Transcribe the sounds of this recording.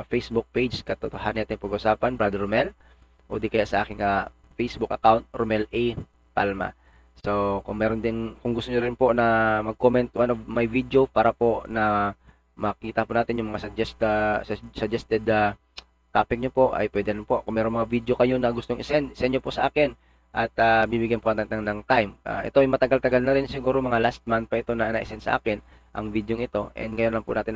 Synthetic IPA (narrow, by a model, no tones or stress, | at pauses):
fɛjsbʊk̚pejd͡ʒkɐt̪ot̪oɦanːaːt̪ɪŋpɐɡʔʊsaːpɐnbɾad̪ɛɾmɛl | ʔoːd̪ikɐjaʔsɐʔaːkɪnːɐ | fɛjsbʊk̚ʔɐ̰kawnt̪̚ɾomɛlɛj | p̪alma̰ | sokʊŋmɛːɾond̪ɪnkʊŋɡʊst̪oɲoɾɪnponɐmɐɡ̚komɛnt̪wanovmɐjvid̪jopaːɾɐpo̞nɐ | mɐkiːt̪ɐpʊnaːt̪ɪnjʊŋmɐŋasɐd͡ʒɛst̪ssɐd͡ʒɛst̪ɛd̪a | t̪aːpɪk̚ɲopo̞ʔɐ̰jpwɛd̪ɛɾɪnpo̞ʔkʊŋmɛːɾo̞nmɐŋavid̪jokɐjo̞nɐɡʊst̪oŋʔɪsɛnɪsɛnɲopoʔsɐʔaːkɪn | ʔɐt̪̚abibɪɡjanpoʔ̪nɐnɐŋt̪ajmʔa̰ʔɛ̰t̪oɐjmɐt̪ɐɡalt̪ɐɡalnɐɾɪnsɪɡuːɾomɐŋalast̪̚mant̪̚pɐʔɪt̪o̞nɐnaʔɪsɛnsɐ̰ʔa̰ːkɪn | ʔɐ̰ŋvid̪joŋɪt̪o̞ʔɛ̰nd̪̚ŋɐjonlɐŋpʊ̰naːt̪ɪn